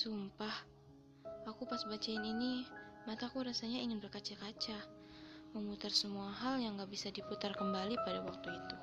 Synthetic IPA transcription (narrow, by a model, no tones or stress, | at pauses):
sumpah | akupasbat͡ʃaɪninimat̪akuɾasaɲaiŋɪnbərkat͡ʃakat͡ʃa | məmut̪arsəmuaɦaljaŋɡaʔbisadiput̪arkəmbalipadawak̚t̪uit̪u